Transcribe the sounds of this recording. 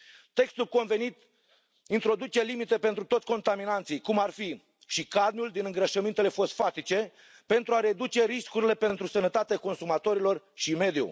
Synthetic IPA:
t̪e̞kst̪ulko̞nve̞nit̪ | int̪ɾo̞d̪ut͡ʃe̞limit̪e̞pe̞nt̪ɾut̪osʲko̞nt̪aminant̪sijkumarfi | ʃikad̪mʲjuld̪inɨŋɡɾəʃəmint̪e̞le̞fo̞st̪fat̪it͡ʃe̞ | pe̞nt̪ɾuaɾe̞d̪ut͡ʃe̞ɾiskuɾile̞pe̞nt̪ɾusənət̪at̪eako̞nsumat̪o̞ɾilo̞r | ʃime̞d̪ṵ

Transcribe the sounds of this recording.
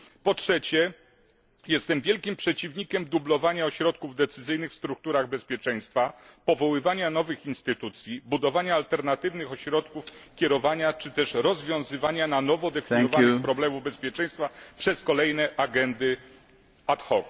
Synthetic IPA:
pɔtʂɛt͡ɕɛ | jɛst̪ɛmvʲjɛlkʲimpʂɛt͡ɕivɲikʲɛmd̪ublɔvaɲaɔɕɾɔt̪̚kuvd̪ɛt̪sɘzɘjnɘxfst̪ɾuk̚t̪uɾaɣbɛspʲjɛt͡ʂɛj̃st̪fapɔvɔwɘvaɲanɔvɘxinst̪ɘt̪ut̪sʲjibud̪ɔvaɲaːlt̪ɛɾnat̪ɘvnɘxɔɕɾɔt̪kufkʲɛɾɔvaɲat͡ʂɘt̪ɛʂɾɔzvʲjɔ̃w̃zɘvaɲananɔvɔd̪ɛfʲiɲɔvaɘxpɾɔblɛmuvbɛspʲjɛt͡ʂɛ̃j̃st̪fapʂɛskɔlɛjnɛʔaɡɛnd̪ɘ | at̪xɔk

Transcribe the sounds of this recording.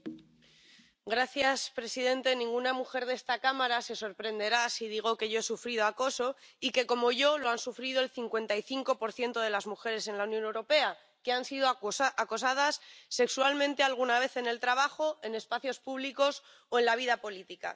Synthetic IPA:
ɡɾaθjaspɾe̞siðe̞nt̪e̞nĩŋɡunamuxe̞ɾðe̞st̪akamaɾase̞so̞ɾpɾe̞nd̪e̞ɾasiðiɣ̞o̞ke̞ʝo̞e̞sufɾið̞o̞ako̞so̞ike̞ko̞mo̞ʝo̞lo̞ansufɾið̞oe̞lθiŋkwe̞nt̪aiθiŋko̞po̞ɾθje̞nt̪o̞ð̞e̞lazmuxe̞ɾe̞se̞nlaunjõ̞ne̞wɾo̞pe̞a | ke̞ansiðoako̞sað̞asːe̞kswalmẽnt̪e̞alɣ̞unaβ̞e̞θe̞ne̞lt̪ɾaβ̞axo̞e̞ne̞spaθjo̞spuβliko̞s | oe̞nlaβ̞iðapo̞lit̪ika̰

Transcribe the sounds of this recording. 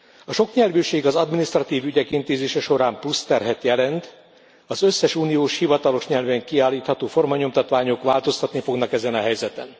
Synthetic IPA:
ɒʃo̞kɲɛlvøːʃeːɡɒzɒd̪minist̪rɒt̪iːvyɟɛkint̪eːzeːʃɛʃo̞ɾaːmplust̪ɛrɦɛt̪jɛlɛnt̪ | ɒzø̞sːɛʃuːnijoːʃhivɒt̪ɒlo̞ʃɲɛlvɛŋkiaːlːiːt̪hɒt̪oːfo̞rmɒɲo̞mt̪ɒt̪ʋaːɲo̞kʋaːlt̪o̞st̪ɒt̪nifo̞ɡnɒkɛzɛnɒɦɛjzɛt̪ɛn

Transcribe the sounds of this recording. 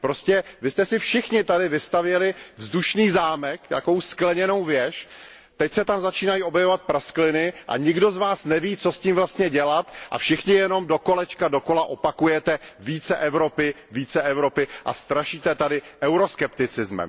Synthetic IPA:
pɾo̞scɛvɪst̪ɛsɪfʃɪxɲɪt̪adɪvɪst̪avjɛlɪvzduʃniːzaːmɛkt̪a̰ko̞wsklɛɲɛno̞wvjɛʃ | t̪ɛcsɛt̪amzat͡ʃiːnajiːo̞bjɛvovat̪̚pɾasklɪnɪʔa̰ɲɪɡdo̞zvaːsnɛviːt͡sosciːmvlast̪ɲɛɟɛlat̪ʔa̰fʃɪxɲɪjɛno̞mdo̞ko̞lɛt͡ʃkado̞ko̞laʔo̞pakujɛt̪ɛviːt͡sɛʔɛvɾo̞pɪ | viːt͡sɛʔɛvɾo̞pɪʔa̰st̪ɾaʃiːt̪ɛt̪adɪʔɛwɾo̞skɛpt̪ɪt͡sɪzmɛ̰m

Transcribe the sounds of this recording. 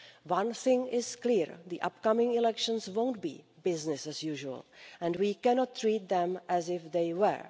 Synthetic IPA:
wʌ̃nθɪ̃ŋɪzkliɹðiʔʌ̰p̚kʌmɪ̃ŋɪlɛkʃə̃nswõʊ̃nt̚bḭːbɪznɪsæzjuʒuə̰lɛ̃nwiːkɛnɔtʰːɹiːt̪̚d̪ɛ̃mʔæzɪfðeɪwə̰˞

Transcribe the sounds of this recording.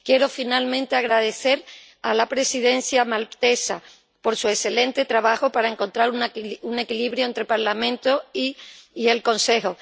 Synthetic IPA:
kje̞ɾo̞finalmẽnt̪e̞aɣ̞ɾað̞e̞θe̞ɾ | alapɾe̞siðẽ̞n̟θjamalt̪e̞sa | po̞ɾsue̞sθe̞lẽ̞nt̪e̞t̪ɾaβaxopaɾae̞ŋko̞nt̪ɾaɾunune̞kiliβɾjoent̪ɾe̞paɾlamẽ̞nt̪oiːe̞lkõ̞nse̞ho

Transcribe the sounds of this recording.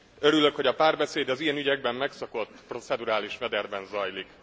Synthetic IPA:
øɾylø̞kho̞ɟɒpaːrbɛseːd̪ɒzijɛnyɟɛɡbɛmːɛksɒko̞t̪ːpro̞sɛd̪uɾaːliʃmɛd̪ɛrbɛnzɒjlik

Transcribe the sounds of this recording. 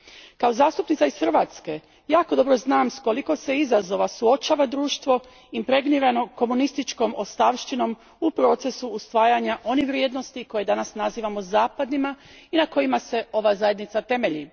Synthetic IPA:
kao̞zaːst̪upnit̪saisxr̩ʋa̰t̪ske̞ | jaːko̞d̪o̞bɾo̞znaːmsko̞liko̞se̞izazo̞ʋasuo̞t͡ʃaːʋad̪ɾuːʃt̪ʋo̞ | impɾe̞ɡniɾano̞ko̞munist̪it͡ʃko̞mo̞st̪aʋʃt̪ino̞m | upɾo̞t̪se̞suːst̪ʋaːjaɲaʔo̞niʋɾjeːd̪no̞st̪iko̞je̞d̪anasnaziːʋamozaːpad̪nima | inako̞jimase̞o̞ʋazaje̞d̪nit̪sat̪e̞me̞ʎḭ

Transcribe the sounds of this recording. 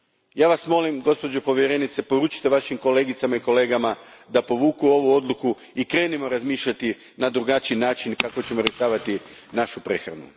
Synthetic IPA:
jaːʋasmo̞limɡo̞spo̞d͡ʑo̞po̞ʋjeɾe̞ːnit̪se̞po̞ɾuːt͡ʃi̥t̪e̞ʋaʃimko̞le̞ːɡit̪samaiko̞le̞ːɡamad̪apo̞ʋuːkuo̞ʋuo̞d̪lˠuku | ikɾe̞ːnimo̞ɾazmiːʃʎat̪i | nad̪ɾuɡat͡ʃijnaːt͡ʃinkakot͡ɕe̞mo̞ɾje̞ʃaːʋat̪inaʃupɾe̞xɾa̰nṵ

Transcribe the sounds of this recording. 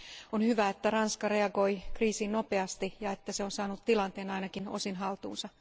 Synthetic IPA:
onhyʋæet̪ːærɑnskɑreɑɡo̞jkriːsiːnnopeɑst̪ijɑe̞t̪ːæseonsɑːnut̪tilɑnt̪eːnɑjnɑkino̰sinɦɑlt̪ṵːnsɑ

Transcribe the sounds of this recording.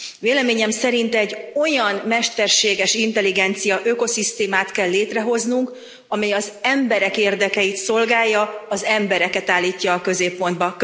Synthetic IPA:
veːlɛmeːɲɛmsɛɾint̪ɛɟːo̞jɒnmɛʃt̪ɛrʃeːɡɛʃint̪ɛliɡɛnt̪sijɒʔøko̞sist̪eːmaːt̪kɛlːeːt̪rɛɦo̞znuŋk | ɒmɛjɒzɛmbɛɾɛkeːrd̪ɛkɛjit̪so̞lɡaːjːɒːzɛmbɛɾɛkɛt̪aːlːiːcːɒːkø̞zeːpːo̞nd̪bɒk

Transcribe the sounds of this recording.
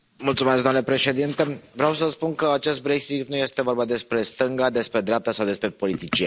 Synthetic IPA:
mult̪sumesɡd̪omnlepɾe̞ʃe̞d̪int̪e̞vɾeaws̬əspunkəat͡ʃe̞st̪̚bɾe̞ksit̪nuje̞st̪e̞vo̞rbad̪e̞spɾe̞st̪ɨŋɡad̪e̞spɾe̞d̪ɾeap̚t̪asawd̪e̞spɾe̞po̞lit̪it͡ʃie

